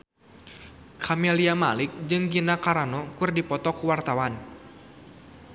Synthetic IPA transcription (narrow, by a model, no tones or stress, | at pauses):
kʰamɛliamalɪk̚d͡ʒɨŋɡinakaɾanɔkurdipɔt̪ɔkuwart̪awan